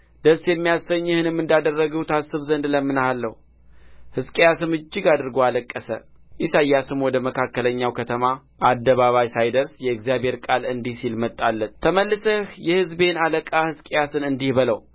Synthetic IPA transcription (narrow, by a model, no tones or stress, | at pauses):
d̪̥əsjɛmːijasəɲːɨhɨnɨmːɨnd̪ad̪ərːəɡəwt̪ʰasːɨβzənd̪ləmːɨnhalːəhu | hɨskʼejasɨnɨd͡ʒːɪɡad̪ɨɾɡoaləkʼːəsə̰ | ʔisajːasɨnwɔd̪əməkʰakːələɲːawkʰət̪ʰəma | ʔad̪ːəβaβajsajd̪əɾsjɛɛɡzijabhe̞ɾkʼalɨnd̪ihsilmət̪ʼːalːət̪t̪ʰəməlːɨsəhjɛhɨzbe̞naləkʼahɨskʼejasɨnɨnd̪ihbələw